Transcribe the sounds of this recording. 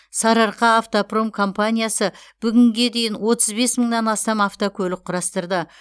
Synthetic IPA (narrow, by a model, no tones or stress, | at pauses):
sɑɾɑɾqɑːft̪opro̞mkʰo̞mpanʲijasəb̥ʏɡʲɪŋɡʲe̞d̪e̞jɪnwo̞t̪ʰəzbe̞sməɴnɑnɑst̪ɑmaft̪okʲʰɵlɪqʰʊɾɑst̪əɾd̪ə